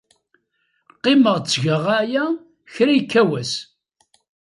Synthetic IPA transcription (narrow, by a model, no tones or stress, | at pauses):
qːɪməʁt͡sːʝəʁajæ | çɾæjkːæwæs